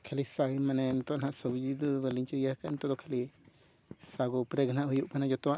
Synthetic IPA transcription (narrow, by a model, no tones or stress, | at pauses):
kʰalisaɡimanɛnt̪ɔʔnaʔsɔbud͡ʒid̪uɡɛliɲt͡ʃɛijahkaint̪ɔd̪ɔkʰali | saɡɔpɾɛɡanaʔɦujuʔkanad͡ʒɔt̪ɔwaʔ